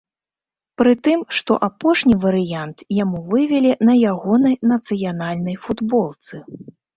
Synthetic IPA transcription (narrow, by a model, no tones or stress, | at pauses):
pɾɨt̪ɨmʂt̪ɔ̰ʔapɔʂnʲivɐɾɨjant̪jamuvɨvʲɛlʲɛnɐjaɣɔnɐjnɐt̪sɨjanalʲnɐjfud̪bɔlˠt̪sɨ